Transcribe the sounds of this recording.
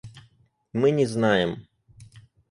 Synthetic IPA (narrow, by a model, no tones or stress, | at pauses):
mɪnʲɛznɑjem